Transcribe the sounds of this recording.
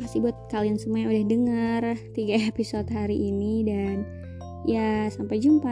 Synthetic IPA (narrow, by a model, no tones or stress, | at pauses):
pasibuat̪̚kaliansəmuaɲudahdəŋart̪iɡaepisot̪̚ɦaɾiʔːnidan | jasampajd͡ʒumpa